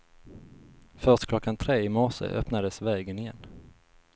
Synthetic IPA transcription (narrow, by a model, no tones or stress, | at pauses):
fœʂʈkʰlɔkːant̪ʰɾeːɪmɔʂə̰ʔœ̰pnad̪əsvɛːɡənɪjɛ̰nː